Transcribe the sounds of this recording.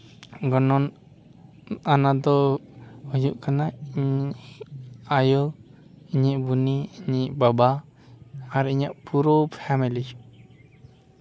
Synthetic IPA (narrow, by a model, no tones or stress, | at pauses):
ɡɔnɔn | anad̪ɔhujuʔkanaiɲiʔ | ajɔ | iɲiʔbuniiɲiʔbaba | aɾiɲaʔpuɾɔpʰɛmili